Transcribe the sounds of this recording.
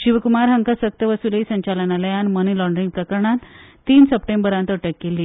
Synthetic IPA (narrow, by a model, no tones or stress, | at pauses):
ɕiʋəkumaɾɦəŋkasək̚t̪əʋəsulisəɲt͡ɕalənaləjanmənilɔɳɖɾiŋɡpɾəkəɾɳat̪ː | iːnsəpʈembəɾãnt̪əʈəkːelːi